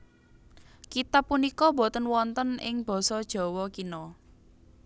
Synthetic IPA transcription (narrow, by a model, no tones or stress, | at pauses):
kit̪apːunikɔbɔt̪ənwɔnt̪ənɪ̰ŋb̥ɔ̤sɔd̥ʒ̥ɔ̤wɔkinɔ